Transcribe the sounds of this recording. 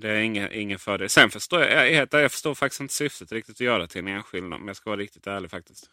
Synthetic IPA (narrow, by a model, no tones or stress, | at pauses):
d̪ɛæɾɪŋːəʔɪ̰ŋːənfœːɖeːlsɛnfœʂt̪oːjɑ̰ɑ̰heːt̪̚ɛjɑːɡfœ̥ʂtoːɾfak̚t̪ɪst̪ɪnt̪ə̥sʏft̪ət̪ɾɪk̚t̪ɪt̪ɔjœːɾat̪ʰɪlɛneːnɧɪld̪na̰d̪mɛnjɑːskavɑːɾaɾɪkt̪ɪ̥t̪æːɭɪɡfak̚t̪ɪst̪